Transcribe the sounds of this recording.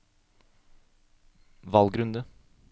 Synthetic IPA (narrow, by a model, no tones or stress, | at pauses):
ʋɑlɡɾʉnd̪ə